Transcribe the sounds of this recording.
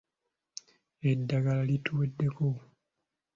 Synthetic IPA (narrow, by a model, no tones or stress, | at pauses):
edːaɡalalituedːe̞ko̞